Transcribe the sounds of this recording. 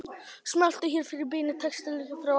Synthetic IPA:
smal̥t̪ʏçɛɾ̥fɪɾɪɾp̬ɪːnɪt̪ʰɛkst̪ɪlikafɾaw

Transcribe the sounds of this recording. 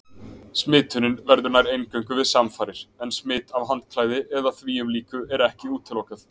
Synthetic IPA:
smɪːt̪ʰʏnɪnvɛɾðʏɾnajɾejncœɥŋkʏvɪðsamfaːɾɪɾ̥ɛnsmɪːt̪avɦant̪̚kʰlaːjðɪʔɛðaθviːʏmliːkʏʔɛɾɛhcɪuːt̪ʰːɪlowkaθ

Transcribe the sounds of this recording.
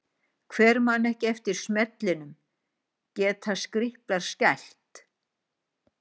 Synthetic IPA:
kʰvɛːɾmanːɛhcɪɛft̪ɪɾ̥smɛt̪lɪnʏm | cɛːt̪ʰaskɾɪhplaɾ̥scajl̥t̪

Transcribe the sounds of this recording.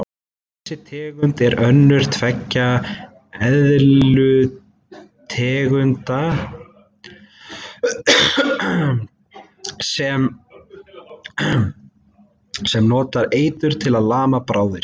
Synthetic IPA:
θ | ɛɛsːɪt̪ʰɛːɣʏnt̪ɛɾœnːʏɾ̥t̪ʰvɛcːa | ɛððlʏ | t̪ʰɛːɣʏnt̪a | sɛm | sɛmnɔːt̪aɾeːjt̪ʏɾ̥t̪ʰɪlaðlaːmapɾaːwðɪɾ̥

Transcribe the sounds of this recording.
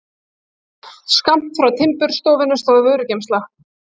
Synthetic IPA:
skam̥t̪fɾawt̪ʰɪmpʏɾ̥st̪owvɪnʏst̪aðvœɥɾʏcejmst̪lax

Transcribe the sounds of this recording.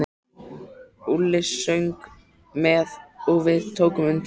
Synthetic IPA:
ulːɪsːœɥŋk | mɛðoɣvɪðt̪ʰoːwkʏmʏnt̪

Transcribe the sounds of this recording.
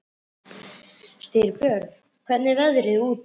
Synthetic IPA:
st̪ɪɾpjœɾ | kʰvɛt̪nɪvɛðɾɪðuːt̪

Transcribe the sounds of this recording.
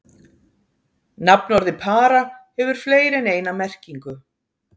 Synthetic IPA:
napnɔɾðɪpʰaːɾahɛvʏɾ̥fleːjɾɛneːjnamɛr̥ciŋkʏ

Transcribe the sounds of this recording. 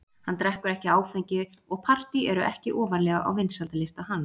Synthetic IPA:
hant̪ɾɛhkʏɾɛhcɪaːwfɛɲcɪɔɣpʰar̥t̪iɛɾʏʔɛ̰hcɪʔɔːvaɾlɛːɣaʔa̰wvɪnsalt̪alɪst̪aɦanː

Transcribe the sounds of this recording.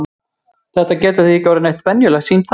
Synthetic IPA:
θɛht̪acɛːt̪aθiicawɾɪnejht̪vɛnjʏlɛɣsiːnt̪ʰ

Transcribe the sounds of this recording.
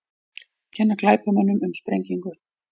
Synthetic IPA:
cʰɛnːaklaːjpamœnːʏmʏmspɾejɲciŋkʏ

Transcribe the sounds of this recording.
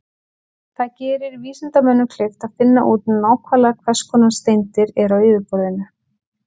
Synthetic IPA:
θaðcɛːɾɪɾviːsɪnt̪amœnːʏkʰlejft̪aðfɪnːaʔuːt̪naːwkʰvalakʰvɛskɔnast̪ejnt̪ɪɾɛɾaweːvɪpɔɾðɪnʏ

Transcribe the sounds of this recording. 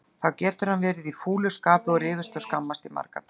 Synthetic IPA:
θawcɛːt̪ʏɾ̥hanvɛːɾɪðifuːlʏskaːpʏɔɾɪːvɪ̥st̪œwskamːast̪ɪma̰ɾka̰t̪

